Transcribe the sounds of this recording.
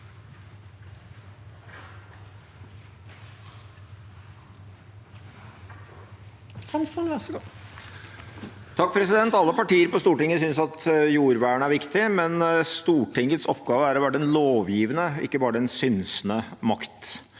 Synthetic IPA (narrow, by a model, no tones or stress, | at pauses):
s | t̪ʰɑk̚pʰɾɛsɪd̪ɛnt̪ɑlːəpɑʈiːəɾpɔst̪uːʈɪŋːəsʏnsɑt̪juːɾʋæːɳəæɾʋɪkt̪ɪmɛnst̪uːʈɪŋət̪sɔpɡɑːʋəæːɾɔʋæʈːəɛnloːʋjiːʋənəʔɪ̰kːəbɑːɾəɛnsʏnsnəmɑkt̪